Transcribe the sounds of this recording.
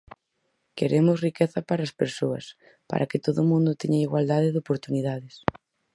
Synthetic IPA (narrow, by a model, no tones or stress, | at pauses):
keɾemʊsrikeθɐpaɾaːspeɾsoɐ̰s | pa̰ɾʔɐkɪt̪oðʊmũnd̪ʊt̪eɲaiɣwald̪aðɪðopoɾt̪uniðaðɪs